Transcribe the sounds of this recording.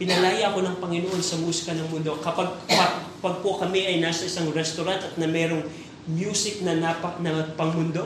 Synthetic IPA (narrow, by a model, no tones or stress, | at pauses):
pɪnɐlaːjɐɐko̞nɐŋpɐŋɪnoʔo̞nsɐmuːsɪ̥kɐnɐŋmʊnd̪o̞kɐpaɡ̚kɐ | pɐɡ̚pokɐmɛʔɐjnaːsɐɪsaŋɾɛst̪oɾant̪ɐt̪̚nɐmɛːɾo̞ŋ | mjuːsɪk̚nɐnapɐnɐpɐŋmʊnd̪o